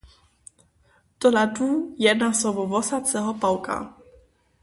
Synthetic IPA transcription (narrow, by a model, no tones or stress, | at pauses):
t̪ɔlat̪ujɛnasɔvɔvɔsat̪t͡sɛɦɔpawka̰